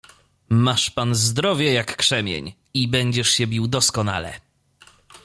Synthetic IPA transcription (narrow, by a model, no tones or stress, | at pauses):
maʂpanzd̪ɾɔvʲjɛjakːʂɛmʲjɛ̰ɲ | ibɛɲd͡ʑɛʂɕɛbʲiwd̪ɔskɔna̰lɛ̰